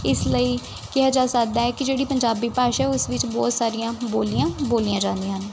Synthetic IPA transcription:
ɪsləiː | kɪɦaːd͡ʒaːsək̚d̪aːɦɛːkɪd͡ʒeːɽiːpəɲd͡ʒaːbiːpaːʃɛːʊsʋɪt͡ʃbɔːt̪saːɾijãːboːlijãːboːlijãːd͡ʒãːnd̪ijãːɦən

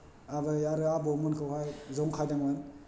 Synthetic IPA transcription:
abajaɾɯabɔmɯnkʰɯwɦajzɔŋkʰajdaŋan

